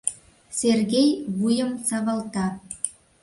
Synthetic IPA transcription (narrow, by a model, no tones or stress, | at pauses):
serɣejβujəmsɑβɑlt̪ɑ